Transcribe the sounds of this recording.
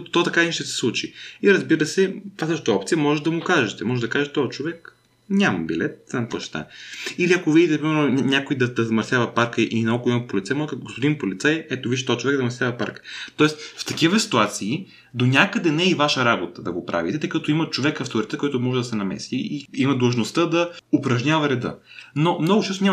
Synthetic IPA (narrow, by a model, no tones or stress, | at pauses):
t̪t̪ɔt̪ɐkanʲiʃt̪ɛsɛ̥slˠut͡ʃiiɾɐzbiɾəsɛt̪vasəʃ̬t̪əɔpt̪sijəmɔʒɛd̪ɐmʊkaʒɛt̪ɛmɔʒɛd̪ɐkaʒɛt̪ɛt̪ɔət͡ʃovɛk | nʲamɐ̰bilɛt̪̚zamk̪vɔʃɛ̥t̪a̰iliɐkovid̪it̪ɛpɾimɛɾnonʲakoid̪ɐd̪ɐzɐmɐɾsjavɐpaɾkəʔinɐokoimət̪̚polit̪sɛmɔkəɡospod̪inpolit̪sajɛt̪oviʃit̪ɔɛt͡ʃovɛk̪d̪zɐmɐɾsjavɐpa̰ɾkə̥t̪ɔɛst̪ft̪ɐkivəsi̥t̪uat̪siː | d̪onʲakəd̪ɛnɛivaʃəɾabot̪əd̪ɐɡopɾʔa̰vḭt̪ɛt̪əjkɐt̪oimɐt͡ʃovɛkɐft̪oɾit̪ɛkɔjt̪ʊmɔʒɛd̪ɐsɛnɐmɛ̰siiimɐd̪əlˠʒnost̪əd̪ɐopɾɐʒɲʲavɐɾɛd̪ə̰nomnɔɡʊt͡ʃɛst̪onʲa